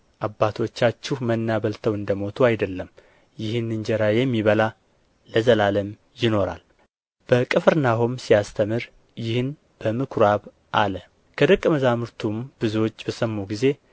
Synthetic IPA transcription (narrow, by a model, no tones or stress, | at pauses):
ʔabːat̪ʰo̞t͡ʃːat͡ʃːɪhmənːaβəlt̪ʰəwɨnd̪əmo̞t̪ʰuajd̪əlːəm | jɪhɨnːɨɲd͡ʒɛɾajɛmːiβəla | ləzəlaləm | jɪno̞ɾa̰l | b̥əkʼɨfɨɾnaɦomsijast̪ʰəmɨɾ | jɪhɨn | b̥əmɨkʰɾaβ | ʔalə | kʰəd̪əkʼːəməzamɨɾt̪ʰumb̥ɨzuwo̞t͡ʃːbəsəmːuɡize̞